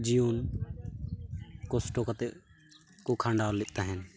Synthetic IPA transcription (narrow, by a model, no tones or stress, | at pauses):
d͡ʒijoːn | kosʈoːkət̪e | kukʰãːɳɖaːlɪʔt̪aɦɛn